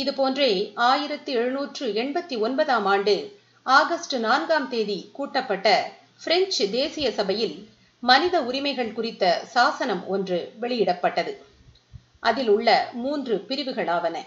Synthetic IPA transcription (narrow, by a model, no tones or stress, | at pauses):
ɪðɯpoːndreːaːjɪɾɐt̪ːɯɛɻɯnuːʈrɯɛɳbɐt̪ːiɔnbɐðaːmaːɳɖɯ | aːɣɐsʈɯnaːnɡaːmt̪eːðikuːʈːɐpːɐʈːɐ | fɪɾɛɲt͡ʃd̪eːsɪjɐsɐbɐjɪl | mɐnɪðɐʊɾɪmɐɪɣɐɭkʊrɪt̪ːɐsaːsɐnɐmɔndrɯʋɛɭɪjɪɽɐpːɐʈːɐðɯ | ʔɐðɪlʊɭːɐmuːndrɯpɪɾɪʋɯɣɐɭaːʋɐnɐ̰